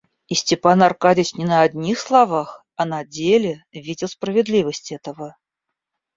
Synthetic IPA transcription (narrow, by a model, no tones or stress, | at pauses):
isʲtʲɪpanarkadʲɪt͡ɕnʲɪnəːd̪ʲnʲixslˠavax | ɐnad͡zʲelʲɪvʲidʲɪlˠspɾəvʲɪd̪lʲivəsʲtʲɛt̪əvə